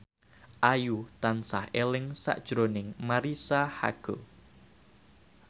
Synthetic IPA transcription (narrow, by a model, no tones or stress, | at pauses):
ʔajut̪ansahelɪŋsa̰ʔd̥ʒ̥ɾonɪŋmaɾisaha̰ɡ̥o